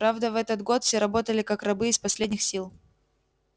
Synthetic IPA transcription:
ɾavd̪əvɛt̪ət̪ɡo̞t̪fsʲeɾɐbo̞t̪əlʲɪkakrɐbɨːspɐsʲlʲedʲnʲɪxsʲilˠ

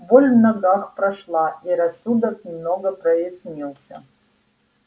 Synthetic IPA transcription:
bolʲnaɡaχpraʂlˠaiɾasud̪ɐkmnoɡɐprɐjesmʲilˠsʲɐ̰

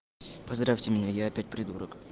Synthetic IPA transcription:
pɐzd̪ɾafʲtʲɪmʲɪnʲajaːpʲæt̚ʲpɾʲɪd̪uɾok

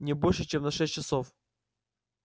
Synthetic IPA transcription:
nʲɪbolʲʂɨt͡ɕemnɐʂɛsʲt͡ɕɪsof

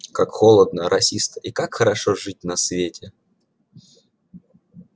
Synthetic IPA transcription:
kakxolˠəd̪nəɾɐsʲist̪ə̥ʔikakxəɾɐʂoʐɨt̚ʲnɐsvʲetʲɪ

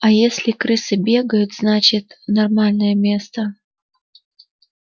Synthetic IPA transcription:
ajesʲlʲɪkɾɨsɨbʲeɡəjʊt̪znat͡ɕɪt̪nɐrmalʲnəjəmʲest̪ə

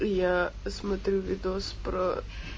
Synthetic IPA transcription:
jasmɐt̪ɾʲuvʲid̪ɔspɾɔ

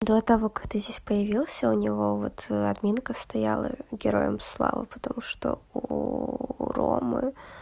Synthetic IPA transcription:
d̪o̞t̪ɐvo̞kḁkt̪ɨzʲdʲesʲpəjɪvʲilˠsʲəʊnʲɪvo̞vo̞t̪ʰɐd̪mʲinkəst̪ɐjalˠə̰ɡʲɪɾo̞̰jəmslˠa̰vɨ̰pə̥t̪ɐmuʂt̪o̰u | ɾo̰mɨ̰

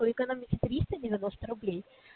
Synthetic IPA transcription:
ojʲɪkɐnomʲɪkʲɪt̪ɾʲist̪ədʲɪvʲɪnost̪əɾʊblʲej

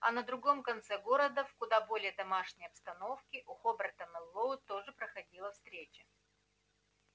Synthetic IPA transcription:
ɐ̰nəd̪ɾʊɡo̞mkɐnt̪sɛɡo̞ɾəd̪əfkʊd̪abo̞lʲɪjəd̪ɐmaʂnʲəjɐpst̪ɐno̞fkʲɪʔʊxobʲərt̪əmɨlˠːoʊt̪o̞ʐɨpɾəxɐdʲilˠəfst̪ɾʲet͡ɕə̥

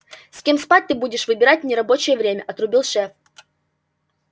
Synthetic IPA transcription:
sʲkʲemspat̚ʲt̪ɨbudʲɪʂvɨbʲɪɾatʲnʲɪɾɐbo̞t͡ɕɪjəvɾʲemʲəʔɐt̪ɾʊbʲilˠʂɛf

